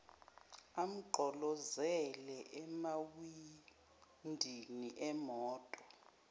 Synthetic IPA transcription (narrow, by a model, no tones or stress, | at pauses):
am̩ǃʱɔlɔzɛlɛʔɛmawi | ndʱiniʔɛmɔːtʼɔ